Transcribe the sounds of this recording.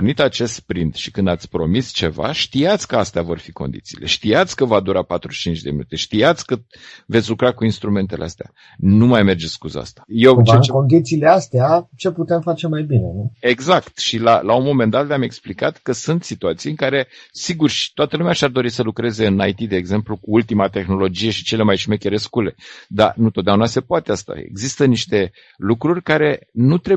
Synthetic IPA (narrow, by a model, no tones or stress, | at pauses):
nit̪at͡ʃe̞st̪pɾint̪ʃikɨnd̪at̪sʲpɾo̞̰mist͡ʃe̞va̰ʃt̪iat̪sʲkəast̪eavo̞rfiko̞̰nd̪ḭt̪siːlʔe̞̰ʃt̪ijat̪sʲkəvad̪uɾapat̪ɾuʃt͡ʃint͡ʃd̪eminṵt̪e̞ʃt̪iat̪sʲkə | vet̪sʲlukɾakuinst̪ɾume̞nt̪eleast̪ea̰ | numajme̞rd͡ʒeskuzəa̰st̪ḁjeweekond̪it̪siːleast̪eat͡ʃe̞put̪e̞mfat͡ʃe̞majbine̞nue̞ɡzakt̪ʃilalaunmo̞me̞nd̪at̪leame̞ksplikat̪kəsunt̪sit̪uat̪sijɨŋkaɾe̞siɡurʃi̥t̪wat̪əlumeaʃiard̪o̞ɾisəlukɾe̞ze̞ɨnajt̪id̪e̞ːɡze̞mplukuult̪imat̪e̞xno̞lo̞d͡ʒije̞ʃi̥t͡ʃe̞le̞majʃimekʲeɾe̞skule̞d̪a̰nut̪ot̪d̪eaunase̞poat̪east̪a̰ḛɡzist̪əniʃt̪e̞ | lukɾurʲkaɾe̞nut̪ɾe